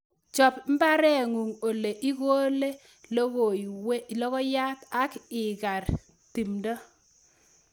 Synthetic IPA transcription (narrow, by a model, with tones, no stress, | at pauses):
t͡ʃɔ˨pm̩˦ba˦ɾɛ˦˨ŋu˨ŋo˨le˨ʔi˦ɣoː˦le˦ | lo˦ɣo˨we˦˨lɔ˦ɣɔ˦ja˦ta˦kɪ˨ka˨ɾ | ti˨mdɔ˦